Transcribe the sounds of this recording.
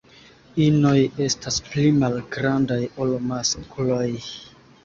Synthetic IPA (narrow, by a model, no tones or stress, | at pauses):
ino̞je̞stasplimalɡɾandajolomaskloj